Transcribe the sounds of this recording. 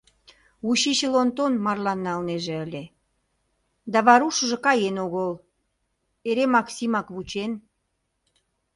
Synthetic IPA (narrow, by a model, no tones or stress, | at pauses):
uɕit͡ɕelont̪onmɑrlɑnːɑlneʒĕəlʲe | d̪ɑβɑɾuʃə̆ʒĕkɑjenoɣol | eɾemɑksimɑkβut͡ɕen